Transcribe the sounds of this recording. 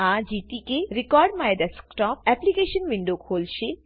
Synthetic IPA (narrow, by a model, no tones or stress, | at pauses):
ad͡ʑiʈikeɾikɔɾɖmaed̪askʈɔpɛplikeʃonʋiɳɖokʰolʃʰe